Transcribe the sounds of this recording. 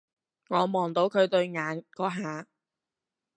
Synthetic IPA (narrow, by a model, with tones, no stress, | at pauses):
ŋɔː˨˧mɔː˨˩ŋt̪o˨˧˥wkʰɵ˨˧ɥt̪ɵ˧ɥŋaː˨˧nkɔː˨˥ɦaː˨˧